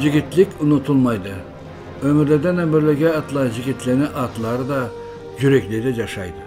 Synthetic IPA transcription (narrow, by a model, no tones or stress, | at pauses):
ʒɪɡʲɪt̪lɪkʲʊnʊt̪ʰulˠmɑjd̪ə | ɵmɪɾleɾd̪ænæmɪɾlɪɡʲeɑt̪lˠɑʒɪɡʲɪt̪lenɪʔɑt̪lˠɑɾəd̪ɑ | ʒyɾekled̪eʒɑʃɑjd̪ə